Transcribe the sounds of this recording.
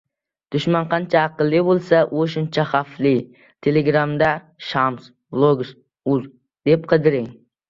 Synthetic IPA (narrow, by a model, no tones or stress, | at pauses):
d̪̥ʊʃmɑnqʰɑnt͡ʃʰaːqɨlˠːɨbolˠsaʔʔoʃʊnt͡ʃʰaχɑflˠɪ | t̪ʰeleɡɾɑmd̪a | ʃɑms | blˠoɡs | uz | d̪̥ep̚qʰəd̪ɪɾɪŋ